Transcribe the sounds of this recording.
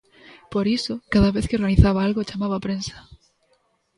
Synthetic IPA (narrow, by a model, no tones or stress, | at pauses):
poɾisokaðaβeθkeoɾɣaniθaβaalɣot͡ʃamaβapɾensḁ